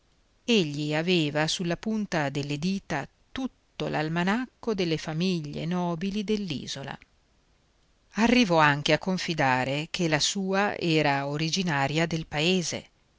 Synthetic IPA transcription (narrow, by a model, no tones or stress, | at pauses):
eʎːiaveːvasulːapunt̪ad̪elːed̪iːt̪a | t̪ut̪ːo̰la̰lmanakːod̪elːefamiʎːḛnɔːbilid̪elːḭːzola̰ | arːivɔaŋk̟eakːoɱfid̪aːɾek̟ʰelasuːaʔɛːɾaoɾid͡ʒinaːɾjad̪elpaeːzḛ